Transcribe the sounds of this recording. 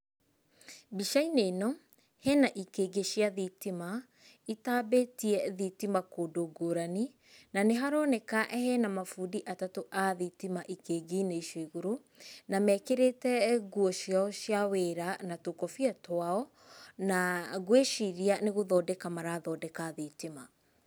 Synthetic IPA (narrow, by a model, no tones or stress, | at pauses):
biʃainenɔ | hɛnaʔikeɡeʃiaðitima | itaːbetiɛðitimakodoɡoːɾani | naneɦaɾɔnekaʔɛhɛnamafudiʔatatoʔaðitimaʔikeːɡineiʃeɣuɾu | namɛkeɾetɛɣuɔʃiaɔʃjaweɾanatokɔfiɛtwaɔ | naɣweʃiɾianeɣoðɔdɛkamaɾaðɔːdɛkaðitima